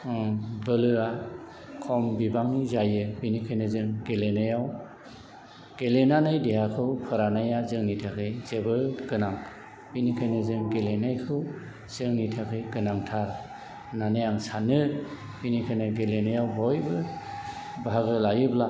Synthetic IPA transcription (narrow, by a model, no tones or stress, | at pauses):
bɯlɯa | kʰɔmbibaŋnizajɯbinikʰɯjnɯzɯŋɡelenajaw | ɡ̥elenanɯjdeɦakʰɯwpʰɯɾanajazɯŋnitʰakʰɯjzebɯɡɯnaŋ | binikʰajnɯzɯŋɡelenajkʰɯw | z̥ɯŋnitʰakʰɯjɡɯnaŋtʰaɾ | nanajaŋsanɯ | binikʰajnɯɡelenajawbɔjbɯ | baɦaɡɯlajɯbla